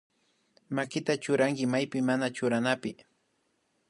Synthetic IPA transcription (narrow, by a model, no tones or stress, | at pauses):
makɪt̪at͡ʃʊɾaŋkɪmajpɪmːanat͡ʃʊɾanapɪ